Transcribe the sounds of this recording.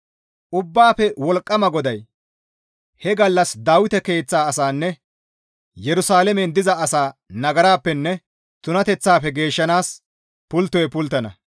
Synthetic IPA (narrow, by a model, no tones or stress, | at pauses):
ʔʊbːaːpɛwɔlkʼːɐmɐɡɔd̪ɐj | hɛɡɐlːɐsd̪aːwɪt̪ɛke̞ːt͡sːaːɐsaːnːɛ | jɛɾʊsaːlɛmɛnd̪ɪzɐɐsaːnɐɡɐɾaːpːɛnːɛ | t̪ʊnɐt̪ɛt͡sːaːpɛɡe̞ːʃːɐnaːs | pʊlt̪ːɔjɛpʊlt̪ːɐnɐ